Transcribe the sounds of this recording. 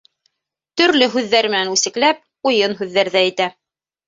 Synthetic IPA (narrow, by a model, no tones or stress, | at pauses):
t̪ɵ̆ɾlɵɦʉðːæɾmɘ̆nænʉsɘ̆klæp̚ | ujɤnɦʉðːæɾðæɘ̆t̪æ